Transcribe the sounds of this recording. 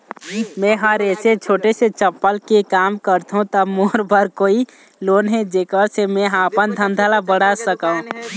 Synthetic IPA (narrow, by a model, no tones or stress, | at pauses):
mɛ̃ɦəɾeːset͡ʃʰoːʈeset͡ʃəpːəlkekaːmkəɾt̪ɦũt̪əmoːɾbʱəɾkoːi | loːnɦẽd͡ʒekəɾsemẽɦapənd̪ʱənd̪ʱalabəɽasəkaũ